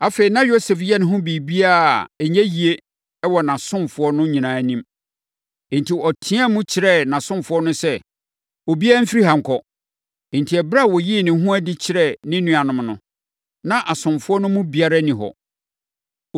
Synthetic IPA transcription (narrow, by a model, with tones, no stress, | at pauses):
a˨fe˨i˨nã˦jo˦sɛ˨fjɛ˦nɪ̃˨ɦʊ̃˦bi˨bi˦a˦˨ɛ˨ɲɛ̃˦ji˨e˦ | ɛ˦wɔ˨nã˨sʊ̃˦mfʊ˨ɔ˦nʊ̃˦ɲĩ˨nã˨nĩ˦m | ẽ˨n̩˨tʰi˨ɔ˨tʰɪ̃˦a˦mʊ̃˦t͡ɕʰɪ˨ɾɛ˦˨nã˨sʊ̃˦mfʊ˦ɔ˦nʊ̃˦sɛ˦ | o˨bi˦a˦m̩˦fi˦ɾi˦hã˨ŋ̩˨kʰɔ̃˨ | n˨tʰi˨ɛ˨bɾa˦˨wɔ˨ji˦˨nɪ̃˨˦ɦũ˦æ˦dɪ˦t͡ɕʰɪ˨ɾɛ˦˨nɪ̃˦nũ˦a˨nʊ̃˨mnʊ̃˦ | nã˦ʔa˨sʊ̃˨mfʊ˦ɔ˦nʊ̃˦mũ˦bi˨a˦ɾa˦nĩ˨ɦɔ̰˨